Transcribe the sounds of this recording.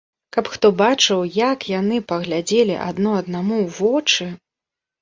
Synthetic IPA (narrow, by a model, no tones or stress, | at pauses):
kapxt̪ɔbat͡ʂɨwjakjanɨpɐɣlʲad͡zʲelʲḭʔa̰d̪nɔɐd̪namuwvɔt͡ʂɨ